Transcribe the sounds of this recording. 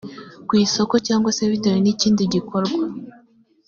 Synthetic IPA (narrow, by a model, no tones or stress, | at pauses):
kwiːso̞ko̞caːŋɡwase̞βitaɾiniciːndiɟikoɾɡwa